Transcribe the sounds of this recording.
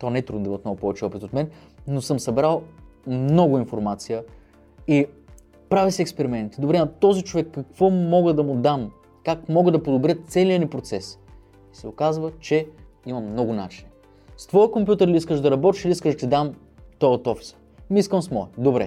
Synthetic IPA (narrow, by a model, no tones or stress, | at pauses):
t̪ɔnɛɛt̪ɾud̪od̪iət̪mnoɡʊpɔvɛt͡ʃɛɔpit̪ot̪mɛn | nosɤmsɐbɾalˠ | mnɔɡʊinfoɾmat̪sijə | i | pɾavisiɛkspɛɾimɛnt̪id̪obɾɛnɐt̪ɔzit͡ʃovɛkːɐkv̥ɔmɔɡəd̪ɐmʊd̪am | kakmɔɡəd̪ɐpod̪obɾʲjət̪sɛlijənipɾot̪sɛs | isɛokazvət͡ʃɛ | imɐmnɔɡʊna̰t͡ʃin | st̪vɔjəkompʲjut̪əɾlʲiiskəʃd̪ɐɾɐbɔt̪iʃiliiskəʃt̪ɛd̪am | t̪ɔjət̪ɔfi̥sə̥ | miskəmsmɔɛd̪obɾɛ̰